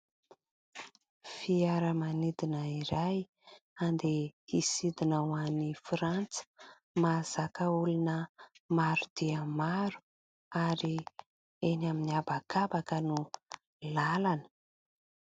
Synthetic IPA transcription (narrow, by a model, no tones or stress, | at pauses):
fiaɾəmanid̪inəiɾaj | and̪eisid̪inawanifɾant͡sə̥ | maz̥akəulunəmaɾud̪̥iəmaɾu̥ | aɾi | enaminiabakabakənu | lalanə̥